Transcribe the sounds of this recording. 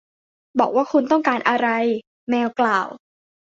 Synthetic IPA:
bɔː˨˩k̚waː˥˩kʰu˧nt̪ɔ˥˩ŋkaː˧nʔa˧ɾa˧j | mɛː˧wklaː˨˩w

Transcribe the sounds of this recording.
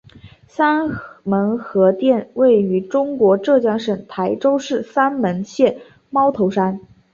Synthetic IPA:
sa˥nmə˧˥nxɤ˧˥t̪jɛ˥˧nwe˥˩ɪy˧˥ʈ͡ʂʊ˥ŋkwɔ˧˥ʈ͡ʂɤ˥˩t͡ɕjɑ˥ŋʂə˨˩ŋt̪ʰa˧˥ɪʈ͡ʂo˥ʊʂɻ̩˥˩sa˥nmə˧˥nɕjɛ˥˩ | mɑ˥ʊt̪ʰo˧˥ʊʂa˥n

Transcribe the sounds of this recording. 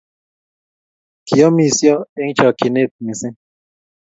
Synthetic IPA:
ki˨ɔ˦mi˨sjɔ˦e˦ŋ˦t͡ʃɔ˨ki˨ne˦˨t̪̚mi˨sɪ˦

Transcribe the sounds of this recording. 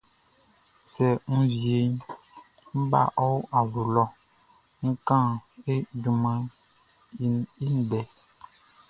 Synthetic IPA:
sɛ˨ŋ̩˦vje˨ɲ | m̩˦ba̰˦˨ʔɔ˦wa˨lu˨lɔ˦ | ŋ̩˦kã˦˨e˦du˨ma˦ | i˦ni˦n̩˨dɛ˨

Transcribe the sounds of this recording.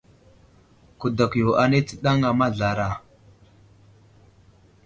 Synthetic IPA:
ku˨da˨kjo˨ʔa˨ne˦t͡sə̥˦ɗa˦ŋa˨ma˦ɮa˨ɾa˨

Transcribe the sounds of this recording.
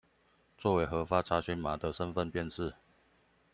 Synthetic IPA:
t͡swɔ˥˩˨we˨˥ɪxɤ˧˥fa˥ʈ͡ʂʰa˧˥ɕɛ˧˥nma˨˥d̪ə˨ʂə˦nfə˥˨npjɛ˥˧nʂɻ̩˥˨

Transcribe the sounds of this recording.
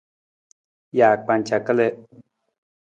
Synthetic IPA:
jaː˨k͡pa˧nt͡ʃa˨kə˦le˦

